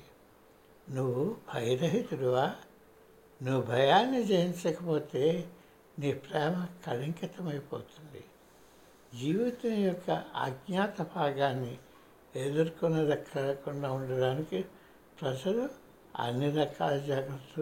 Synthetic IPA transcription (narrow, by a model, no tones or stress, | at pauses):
nuʋubʱɐjɐɾɐɦit̪uɽuʋaː | nuʋubʱɐjaːnːid͡ʒejint͡ʃɐkɐpoːt̪e̞ː | niːpɾɛːmɐkɐliŋkɐt̪ɐmɐjpo̰ːt̪und̪ḭ | d͡ʒiːʋit̪unɐjɔkːɐa̰ɡɲaːt̪ɐbʱaːɡaːnːi | eːd̪ɐɾkunɐd̪ɐkʰːaːlɐkunɖaːuɳɖɐɖaːniki | pɾɐd͡ʒɐlu | ɐ̰nːid̪ɐkʰːaːlɐd͡ʒaːɡɾɐt̪ːu